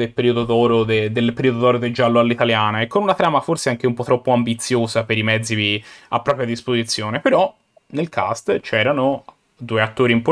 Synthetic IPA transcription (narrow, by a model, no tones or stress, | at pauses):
d̪elpeɾiod̪od̪ɔːɾod̪ed̪elːpeɾiod̪od̪ɔːɾod̪ed͡ʒːalːoalːit̪aljaːnaekːonunat̪ɾaːmaforseaŋk̟eumpɔt̪ːɾɔpːoambit̪sːjoːzapeɾimɛd̪zːivia̰pːɾɔpɾjad̪ispozit̪sːjoːnepeɾɔ | nelkʰa̰st̪t͡ʃɛːɾano | d̪uːeat̪ːoːɾimpo